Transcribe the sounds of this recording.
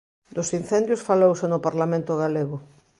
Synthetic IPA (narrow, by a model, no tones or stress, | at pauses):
d̪ʊsin̟θɛnd̪jʊsfalowsenʊpaɾlamẽnt̪ʊɣaleɣʊ